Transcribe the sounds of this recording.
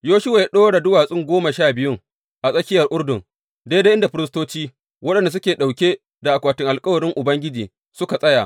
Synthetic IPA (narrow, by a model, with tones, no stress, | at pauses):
joː˦ʃʊ˦wa˨ja˦ɗoː˦ɽa˨dʊ˦waː˨sʼɪ˦˨ŋɡʷoː˦ma˨ʃaː˦˨bɪ˨jʊ˦ŋ | ʔa˨sʼɐ˦kʲɪ˦jɐ˨rʔʊ˦rdʊ˨ŋ | de˦de˦ʔɪ˦nda˨ɸɪ˦ɾɪ˦stoː˦t͡ʃiː˦ | wɐ˦ɗɐ˨nda˨s̬ʊ˦kʲeː˨ɗa˨wkʲe˦ | da˨ʔa˨kʷaː˨tɪ˦ŋʔa˨lkʼɐ˦wɐ˨ɽɪ˦ŋʔʊ˨bɐ˦ŋɡʲɪ˦d͡ʒiː˨ | sʊ˦ka˨sʼɐ˦jaː˨ʔ